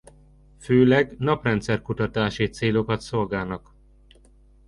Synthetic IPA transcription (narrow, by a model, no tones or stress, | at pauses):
føːlɛɡnɒprɛnt̪sɛrkut̪ɒt̪aːʃit̪seːlo̞kɒt̪so̞lɡaːlnɒk